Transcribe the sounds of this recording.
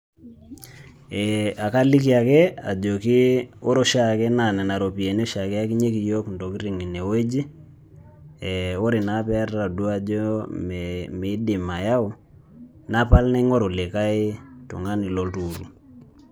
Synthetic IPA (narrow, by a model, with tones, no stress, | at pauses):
ɛ˨a˨ka˦li˦ki˦a˨kɛ˦a˨d͡ʒo˨kɪ˦o˦ɾo˦ʃa˦kɛ˦na˨nɛ˨na˨ɾo˨pi˨e˨n˦ɔ˦ʃa˨kɛ˦a˦ki˦ɲe˦ki˨jo˦kndo˨ki˦ɾi˨ŋi˨ne˨we˦d͡ʒi˦ | ɛ˨o˦ɾɪ˨na˨˦pɛ˦ra˨du˦a˦d͡ʒɔ˦mmɪ˨˦dɪ˨ma˨ja˦ʊ˦ | na˦pa˦lnɛ˦ŋɔ˦ɾo˨lɪ˨ka˦ɪ˦tʊ̰˨ŋa˦ni˨lɔ˦ltu˨ɾṵ˨